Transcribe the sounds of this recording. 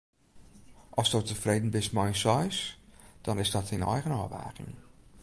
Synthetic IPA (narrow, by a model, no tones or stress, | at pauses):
ʔɔsdotəfreːdən̩bɪsmɛjnsɔjsd̥ɔnɪsdɔtinɛ̰jɣənɔːʋa̰ːkɪ̰ŋ